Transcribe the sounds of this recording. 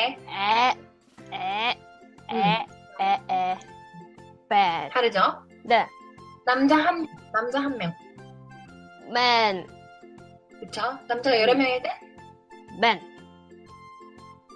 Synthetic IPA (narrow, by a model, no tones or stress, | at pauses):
ee | e | eee | mepaɾɯd͡ʑo | nenamd͡ʑaɦamːʌnamd͡ʑaɦamːjʌŋ | men | kɯt͡ɕʰonamd͡ʑajʌɾʌmjʌŋede | men